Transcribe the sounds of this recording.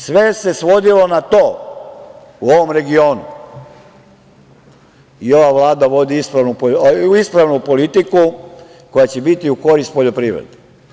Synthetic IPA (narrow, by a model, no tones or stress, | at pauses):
sʋe̞se̞sʋo̞d̪ilo̞nat̪oː | uo̞ʋo̞mɾe̞ɡio̞ːnṵ | io̞ʋaʋlˠaːd̪aʋo̞d̪iispɾaʋnupoispɾaʋnupo̞lit̪iku | ko̞jat͡ɕe̞bit̪iuko̞ɾist̪̚po̞ʎopɾiːʋɾḛd̪e